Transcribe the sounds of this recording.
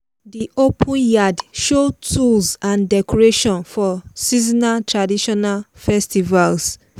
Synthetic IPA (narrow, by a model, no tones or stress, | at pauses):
diʔopʰũnjadʃotʰulzãndɛkɔɹeʃɔ̃nfɔsizinatʰɹadiʃɔnalfɛstivals